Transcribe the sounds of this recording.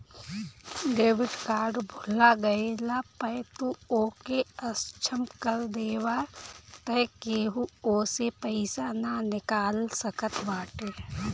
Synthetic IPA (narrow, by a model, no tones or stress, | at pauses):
ɖeːʋɪɖkaːɾɖbʱulaɡɐelapəjt̪uoːkeəst͡ʃʰəmkəɾd̪eːwat̪əjkeːɦuoːsepəɪsananɪkaːlsəkət̪ʰbaːʈeː